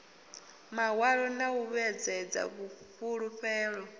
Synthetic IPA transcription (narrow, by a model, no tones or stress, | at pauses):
mawaɺɔnauβɛd͡zɛd͡za̰βuɸuɺuɸɛːɺɔ